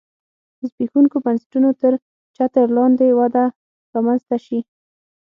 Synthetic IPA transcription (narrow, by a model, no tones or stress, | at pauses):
zbexuŋkobansʈunot̪əɾ | t͡ʃat̪əɾlɑnd̪ewad̪a | ɾɑmanzt̪aʃi